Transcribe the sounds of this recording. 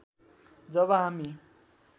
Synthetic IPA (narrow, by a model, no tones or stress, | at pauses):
d͡zʌβʌɦami